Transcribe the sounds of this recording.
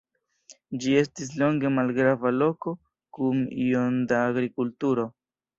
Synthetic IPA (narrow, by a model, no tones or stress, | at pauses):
d͡ʒie̞stis̬lo̞ŋɡe̞malɡɾavalo̞ko̞ | kumḭo̞ndaːɡɾikultuɾo̞